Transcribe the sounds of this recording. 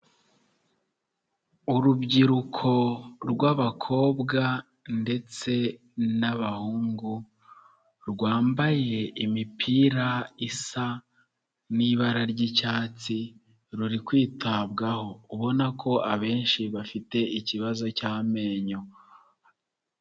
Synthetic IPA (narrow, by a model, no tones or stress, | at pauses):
uɾubɟiɾukʰo̞ɾɡwaβakʰo̞ːbɡa | nde̞t͡se̞ | naβahuːŋɡu | ɾɡwaːmbaje̞imipʰiːɾaisa | niβaɾaɾɟicaːt͡si | ɾuɾikwiːtaːbɡaho̞uβo̞nakʰo̞ʔaβe̞ːnʃiβafite̞iciβazo̞caːme̞ːɲo